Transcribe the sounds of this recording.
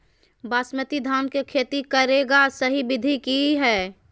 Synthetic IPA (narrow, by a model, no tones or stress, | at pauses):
baːsmət̪id̪ʱaːnkekʰeːt̪ikəɾeːɡasəɦibɪd̪ʱikiɦɛː